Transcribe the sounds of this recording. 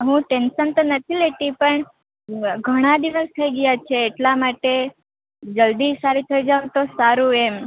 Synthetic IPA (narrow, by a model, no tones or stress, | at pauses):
ɦũʈenʃənt̪onət̪ʰileʈipəɳ | ɡʱəɽ̃ad̪iʋəst̪ʰəiɡəjat͡ʃʰeːʈlamaʈe | d͡ʒəld̪isaɾit̪ʰəid͡ʒaũt̪osaɾũem